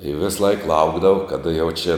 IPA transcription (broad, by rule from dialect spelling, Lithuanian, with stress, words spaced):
ɪ ˈʋʲɪsˌlˠɐɪk ˈlˠɐʊɡdɐʋɐʊ kɐˈdɐ jɛʊ t͡ʃʲɛ